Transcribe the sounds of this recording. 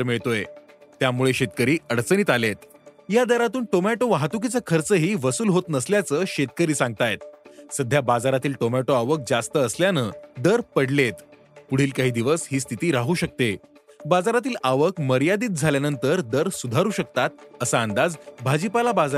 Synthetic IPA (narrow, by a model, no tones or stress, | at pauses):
ɾmiɭt̪ojet̪jamuɭeɕet̪kəɾiːəɽt͡səniːt̪alet̪̚ | jad̪əɾat̪uːnʈomæʈoʋaɦat̪ukit͡sakʰəɾt͡səɦiːʋəsuːlɦot̪nəsljat͡səɕet̪̚kəɾiːsãŋɡ̚t̪ajt̪səd̪ʱjabad͡zaɾat̪iːlʈomæʈoaʋək̚d͡zast̪əːsljanəːd̪əɾpəɽlet̪ | puɽ̤iːlkaɦiːd̪iʋəsɦiːst̪ʰit̪iːɾaɦuːɕək̚t̪e | bad͡zaɾat̪iːlaʋəkməɾjad̪iːt̪̚d͡zʱaljanənt̪əɾd̪əɾsud̪ʱaɾuːɕək̚t̪at̪̚əsaənd̪ad͡zbʱad͡ʑipalabad͡za